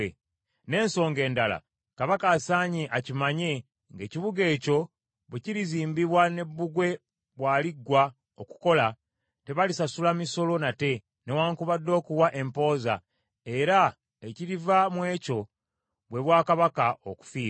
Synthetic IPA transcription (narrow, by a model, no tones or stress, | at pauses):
e | ne̞ːnso̞ːŋɡe̞ːndala̰ | kaβakaːsaːɲeʔacimaɲe̞ | ŋɡe̞ːciβuɡe̞ːco̞ | βweciɾiziːmbiβwane̞βːuɡwe̞ | βwaːliɡwa | oku̥ko̞la | te̞βalisasulamiso̞lo̞nate̞ | newaːŋkuβadːo̞ːkuwaʔe̞mpo̞ːza̰ | e̞ɾa | eciɾivamwe̞ːco̞ | βwe̞βwaːkaβakaʔoku̥fiː